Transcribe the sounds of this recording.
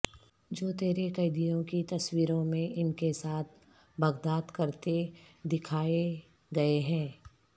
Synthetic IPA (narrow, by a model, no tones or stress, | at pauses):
d͡ʒoːt̪eːɾekɐɪd̪ijõkit̪ɐswiːɾõmẽʔɪnkesaːt̪̚ʰ | bɐɡd̪aːt̪kɐɾt̪e | d̪ɪkʰaːe | ɡɐeɦɛ̃ː